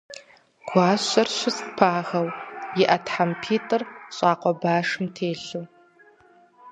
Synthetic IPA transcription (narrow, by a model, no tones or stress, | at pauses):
ɡ̥ʷaːɕɐrɕɪsʼpʰaːxɐwjɪʔɐtħampʰiːtʼɨrɕʼaːqʷɔbaːʂɨmtʰeːɬuː